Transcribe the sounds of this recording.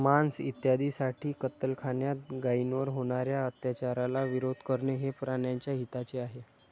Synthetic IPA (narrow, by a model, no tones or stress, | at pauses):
mansit̪jad̪isaʈʰiːkət̪əlkʰaɳjat̪̚ɡainʋəɾɦoɽ̃aɾjaət̪jat͡ɕaɾalaʋiɾod̪ʱkəɾɳeɦepɾaɳjaɲt͡ɕjaɦit̪at͡seaɦe